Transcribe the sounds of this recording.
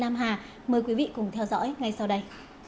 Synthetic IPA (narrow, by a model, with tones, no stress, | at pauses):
naː˧mɦaː˨˩ | məː˨˩jkwi˨˦vḭ˧˨kʊ˧˩ŋ͡mt̪ʰɛ˧wzɔ̰ː˧˥jŋa˧jsa˧wɗə˧j